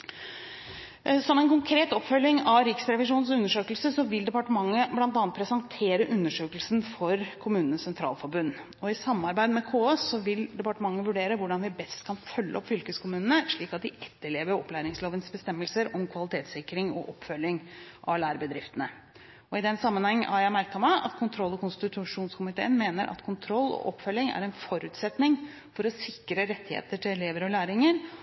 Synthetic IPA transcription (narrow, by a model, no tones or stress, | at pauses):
sɔmːɛnkʊŋkʰɾeːt̪ɔpfœlːɪŋɑʋɾɪksɾɛʋɪʂuːnsʉnːəʂøːkəlsəsɔʋɪld̪ɛpɑʈəmɑŋːəblɑnt̪ɑːnt̪pʰɾɛsɑŋt̪ʰeːɾəʔʉnːəʂøːkəlsnfɔɾkʰʊmʉːnənəsːɛnt̪ʰɾɑ̰ːlfɔɾbʉnː | ɔɪsɑmːɑɾbæɪd̪əmɛkʰoːɛsɔʋɪld̪ɛpɑʈəmɑŋːəʋʉɖeːɾəʋʊɖɑnʋɪbɛst̪kʰɑnfœlːə̰ɔpfʏlkəskʰʊmʉːnənəʂɭiːkɑt̪̚d̪ɪʔɛt̪ːəɭeːʋəɾɔ̰pːlæːɾɪŋsloːʋənsbəst̪ɛmːəlsəɾɔmkʰʋɑlɪt̪ʰeːt̪sɪkːɾɪŋɔ̰ʔɔpːfœlːɪŋʔɑ̰ʋlæːɾbəd̪ɾɪft̪ənə | ɔɪd̪ɛnsɑmːənhɛŋːʔæ̰ɾjæmæɾkɑməʔɑ̰t̪kʰʊnt̪ʰɾɔlːɔkʊnst̪ɪʉt̪ʰʊʂuːnskʊmɪt̪ʰḛːənmeːnəɾʔɑ̰t̪kʰʊnt̪ʰɾɔlːɔ̰ʔɔpːfœlːɪŋæ̰ɾɛnfɔɾʉːt̪sɛt̪nɪŋ | fɔɾɔsɪkːɾəɾɛt̪ːɪhḛːt̪əʈʰɪlɛleːʋəɾɔlæːɾɪŋəɾ